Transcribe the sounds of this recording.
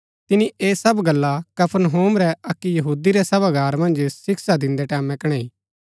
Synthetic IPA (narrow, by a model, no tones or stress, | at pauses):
t̪ɪnĩʔeːsɐbɡɐlːakɐpʰəɾnɦoːmɾɛɐkːijɐɦuːd̪iɾɛsɐbaɡaːɾmɐ̃nd͡ʒsɪksad̪ɪ̃nd̪ɛʈɛːmɛkɐɽ̃ɛiː